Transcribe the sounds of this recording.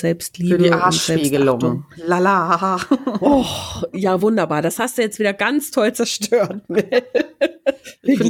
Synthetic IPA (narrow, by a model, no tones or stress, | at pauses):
z̥ɛlpstliːbiʔaːʊnszɛliːɡəlʊŋʊŋlala | ɔjaːvʊndɐbaːɐd̥ashastd̥ujɛt͡stv̥iːdɐɡant͡stʰɔlt͡sɛɐʃtøːɐtnɛ